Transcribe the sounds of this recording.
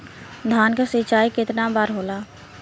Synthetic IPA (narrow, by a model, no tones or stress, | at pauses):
d̪ʱaːnkasɪt͡ʃaːikɪt̪nabaːɾɦoːlaː